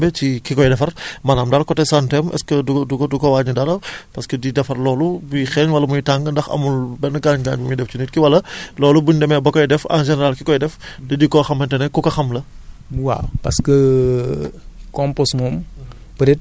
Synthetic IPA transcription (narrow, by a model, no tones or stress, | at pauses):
bɛcikikɔjdɛfɐrmɐnaːmdalkɔtɛsantɛmʔɛ̰skədudukodukɔwaːɲudɐɾɐpɐskədidɛfɐrlɔːlubujixɛɲwɐlːɐmujtaŋɡəndɐxɐ̰mulbɛnːɡaɲɡaːɲbumujdɛft͡ʃinitkiwɐlːɐlɔːlubuɲdɛmɛbɔkɔjdɛfɐ̰nʒɛnɛɾalkikɔjdɛfdɐdikɔxɐmːɐntɛnɛkukɐxɐmlɐwa̰pɐskə | kɔmposmɔːm | pəɾɛt̚